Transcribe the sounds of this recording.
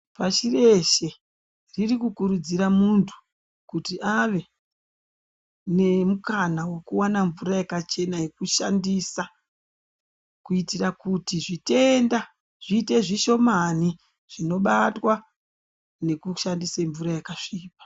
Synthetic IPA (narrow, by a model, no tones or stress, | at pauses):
paʃire̞ʃe̞ | ririkukuɾud͡ziɾamuntʰu̥ | kutiʔaʋe̞ | ne̞mukanawe̞kuwanaɱvuɾajakat͡ʃe̞naje̞kuʃandisa | kuitirakutiʐite̞nda | ʐ̥iːte̞ʐiʃo̞mani | ʐ̥ino̞ɓatwa | ne̞kuʃandiseɱvuɾajakaʂiːpḁ